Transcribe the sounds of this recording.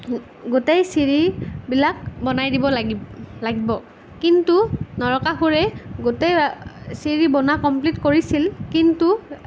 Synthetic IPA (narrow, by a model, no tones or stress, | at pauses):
ɡotejsiɹibilak̚bɔnajdibɔlaɡibɔ | kintunɔɹɔkaxuɹɛɡotejsiɹibɔnakɔmplitkoɹisilkintu